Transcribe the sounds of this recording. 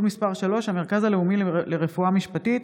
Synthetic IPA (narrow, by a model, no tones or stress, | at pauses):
lmispaʁʃalo̞ʃhame̞ʁkazaleumille̞ʁefuamiʃpatit